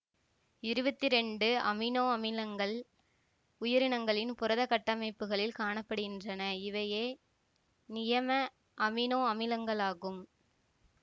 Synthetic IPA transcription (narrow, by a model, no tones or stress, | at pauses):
ɪɾɯbɐt̪ːɪɾɛɳɖɯɐ̰mɪnoːɐmɪlɐŋɡɐɭ | ʊjɐɾɪɳɐŋɡɐɭɪnpʊɾɐðɐkːɐʈːɐmɐɪpːɯɣɐɭɪlkaːɳɐpːɐɽɯɣɪndrɐnɐɪʋɐjeː | nɪjɐmɐ | ʔɐmɪnoːɐmɪlɐŋɡɐɭaːɣɯm